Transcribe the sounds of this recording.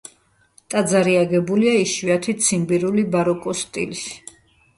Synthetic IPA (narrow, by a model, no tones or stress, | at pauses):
t̪ʼad̪zaɾiaɡɛbuliaiʃwiat̪ʰit̪sʰimbiɾulibaɾɔkʼɔst̪ʼḭlis